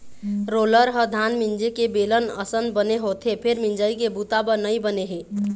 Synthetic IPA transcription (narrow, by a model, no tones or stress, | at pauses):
ɾoləɾɦəd̪ʱanmind͡ʒekebelənə̰sənd̪bəneɦot̪ʰepʰeɾmind͡ʒəjkebut̪abənəjbəneɦe